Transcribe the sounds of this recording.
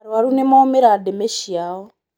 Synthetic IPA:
ɾwaɾunemaːmeɾademeʃijaːwɔ

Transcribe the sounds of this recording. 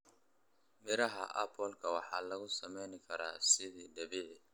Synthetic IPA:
mɪɾɐɦɐ̰ʔɐpʰɔlkʰɐwɑħɑːlɐɣʊsɐmɛjnɪkʰɐɾa̰ːsɪðiːɖɐβɛ

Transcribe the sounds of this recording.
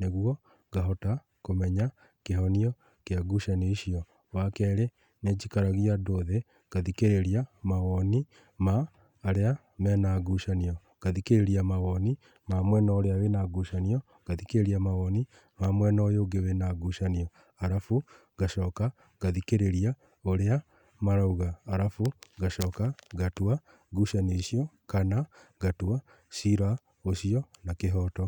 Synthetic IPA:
neɣwɔ | ɡaɦɔta | komɛɲa | keɦɔniɔ | keaɡuʃaneiʃiɔ | wakɛːɾe | ned͡ʒikaɾaɣiadoðe | ɣ̥aðikeɾeɾiamaɣɔni | maː | ɾea | mɛnaɡuʃaniɔ | ɡ̥aðikeɾeɾiamawɔni | mamwɛnaoɾeawenaɡuʃaniɔ | ɡ̥aðikeɾeɾiamawɔni | mamwɛnɔojoːɡewenaɡuʃaniɔ | aɾafu | ɡaʃɔːka | ɡaðikeɾeɾia | oɾea | maɾauɣaːɾafuɡaʃɔːkaɡatwa | ɡuʃaneɕiɔkanaɡatwa | siɾa | oʃiɔnakeɦɔːtɔ

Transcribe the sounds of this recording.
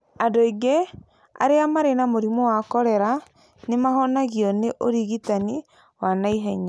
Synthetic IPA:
adoiɡe | a̰ɾeamaɾenamoɾimɔwakɔɾɛɾa | nemaɦɔnaɣiɔneʔoɾiɣitani | wanaiɦɛɲa

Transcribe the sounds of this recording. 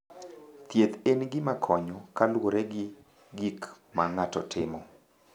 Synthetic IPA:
t̪jet̪enɡɪmakʰɔɲɔkalwoɾɛɡɪ | ɡik | maŋatɔtʰɪmɔ

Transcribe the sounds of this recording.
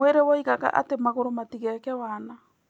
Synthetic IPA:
eɾewɔiɣaɣa̰ʔa̰temaɣoɾomatiɣɛkɛwaːna

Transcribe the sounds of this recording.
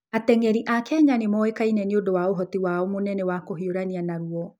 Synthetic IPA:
atɛŋɛɾiʔakɛaɲanemɔekainɛniodowaoɦɔtiwaɔmonɛnɛwakoɦioɾanianaɾuɔ

